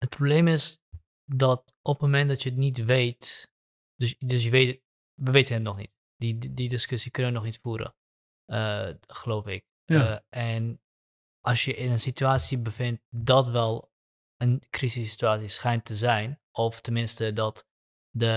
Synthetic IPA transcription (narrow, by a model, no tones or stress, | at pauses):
hət̚pʰrobleːmɪs | dɔt | ʔɔpəmɛndɔtjətnitʋeːt | dds̬jəʋeːt | ʋəʋetənətnɔχnḭt | dididɪskʏsikønəjənɔxnitfuːəɾə̰ | əxəloːfɪk̚ | ɛn | ʔɑsjəʔɪnənsityaːtsibəfɪnt̚dɔtʋɛlˠ | ənkrisisi̥tyaːsisχɛjntəzɛjnʔɔftənmɪnstədɔt | də